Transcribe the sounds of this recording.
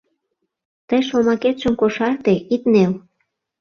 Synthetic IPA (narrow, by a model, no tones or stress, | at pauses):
t̪əjʃomɑket̪ʃə̆mkoʃɑrt̪eʔit̪nel